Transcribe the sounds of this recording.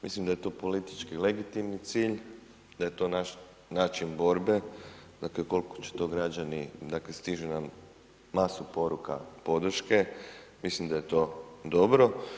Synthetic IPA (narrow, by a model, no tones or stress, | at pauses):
mḭslimd̪aje̞t̪o̞po̞lit̪i̥t͡ʃkileɡit̪imnit̪siːʎ | d̪aje̞t̪o̞ːnaʃ | naːt͡ʃinbo̞ɾbe̞d̪akleko̞lˠko̥t͡ɕe̥t̪o̞ɡɾad͡ʑanid̪akle̞st̪iʒuna | masupo̞ɾuka̰po̞d̪r̩ʃke̞mislimd̪aje̞t̪o̞d̪o̞bɾo̞